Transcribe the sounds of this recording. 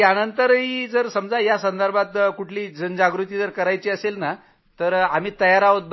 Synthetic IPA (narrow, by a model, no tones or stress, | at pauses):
janənt̪əɾɦiːd͡zəɾsəmd͡zajasənd̪əɾbʱat̪kuʈʰliːd͡zənd͡ʑaɡɾut̪iːd͡zəɾkəɾajt͡ɕiːəselna | t̪əɾam̤iːt̪əjaɾaʋot̪̚b